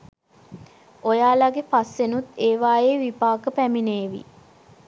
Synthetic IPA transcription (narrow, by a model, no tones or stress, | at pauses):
ojaːlaɡepasʋenut̪ːeːʋaːjeːʋipaːkəpæmineːʋḭ